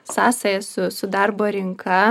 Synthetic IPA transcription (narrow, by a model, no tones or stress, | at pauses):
sɑːsɐjɛsʊsʊd̪ɐɾboːɾʲɪŋkʰɐ